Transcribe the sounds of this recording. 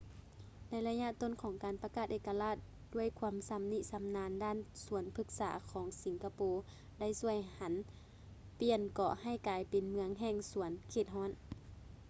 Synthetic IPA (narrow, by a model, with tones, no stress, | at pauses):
na˧˥jla˧ɲa˧˨ʔt̪o˧˥˨nkʰɔː˨˩˦ŋkaː˨npa˧kaː˧˩t̪̚ʔeː˧˩ka˧laː˧˥˩t̪̚ | du˧˩əjkʰuː˧əmsa˧˦mni˧˥ʔsa˨˦mnaː˧ndaː˧˥˨nsu˨˩˦ənpʰɯ˧˩k̚saː˩˦kʰɔː˩˦ŋsi˨˦ŋkʰa˧poː˧˦ | da˥˩˨jsu˧˩əjha˨˦n | pi˧˩ənkɔː˧˩ha˧˩jkaː˨˧jpe˨nmɯ˧əŋɦɛː˧˩ŋsu˨˩˦ənkʰeː˧˩t̪̚ɦɔː˧˥˨n